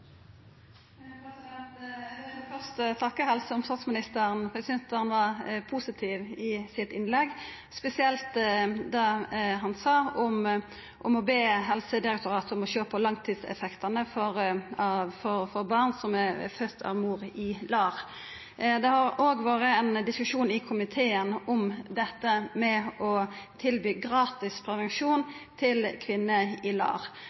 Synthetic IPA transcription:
pʰɾɛsɪd̪ɛnt̪ | fœʁst̪ət̪ʰɑkːəhɛlsəɔmst̪ɑt̪smɪnɪst̪əɾnpʰʁɛsɪd̪ɛnt̪əʁnʋɑpʰuːsɪt̪ʰiːʋɪsɪt̪ɪnlɛɡ | spɛsɪɛlt̪d̪ɑɦɑnsɑːɔm | ʔɔmɔbeːɦɛlsəd̪ɪɾɛk̚t̪ʊɾʁɑːt̪ɔmɔɕøːpəlɑŋt̪ʰiːd̪sɛ̰fɛkt̪ʰɑnəfɔɾ | fɔfɔʁbɑʁnsɔmɛfœt̪ʰːɑ̰ʋmuːɾɪlɑːʁ | d̪ɛhɑɾʔoːɡʋɑːɾəɛnd̪ɪskʉʂuːnɪkʰʊmɪt̪ʰeːənɔmd̪ɛt̪ːəmɛɔt̪ʰɪlbyːɡɾɑːt̪ɪspʰɾɛʋɛnʂuːnt̪ʰɪlkʰʋɪnːəɪlɑ̰ːʁ

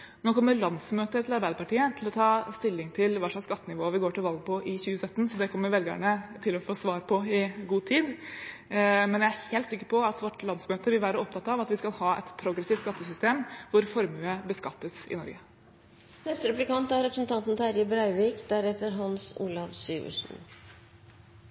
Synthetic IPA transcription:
noːkʰɔmːəɾɭɑnsmøːt̪ət̪ʰɪlɑɾbæɪd̪əpɑʈiːət̪ʰɪlɔt̪ʰɑːst̪ɪlːɪŋt̪ʰɪlʋæʂɭɑksːkɑt̪ːənɪʋoːʋɪɡoːʈɪlʋɑlɡ̚pʰɔʔɪçʉːəsœt̪ːn̩sɔd̪ɛkʰɔmːəɾʋɛlɡə̰ɳət̪ʰɪlɔfoːsʋɑːɾpʰɔɪɡuːt̪ʰiːd̪ | mɛnjææɾheːlt̪sɪkːəɾpʰɔɑt̪ʋɔʈlɑnsmøːt̪əʋɪlʋæːɾəɔp̚t̪ʰɑt̪ːɑʋɑt̪ʋɪskɑlhɑːɛ̰t̪pʰɾʊɡɾɛsɪːft̪skɑt̪ːəsʏst̪eːmʋʊɾfɔɾmʉːəbəskɑpəsɪ̰nɔ̰ɾɡə | nɛst̪əɾɛplɪkɑnt̪æɾɾɛpɾəsn̩t̪ʰɑnt̪n̩t̪æɾjəbɾɑɪʋikd̪æɾɛt̪əɾɦɑnsṵːlɑʋsyːʉ̰ʂn̩

